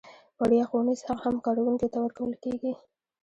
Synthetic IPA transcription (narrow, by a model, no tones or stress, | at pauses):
waɽjɑxonishaɣhamkɑɽawuŋket̪awəɾkawəlkeɡi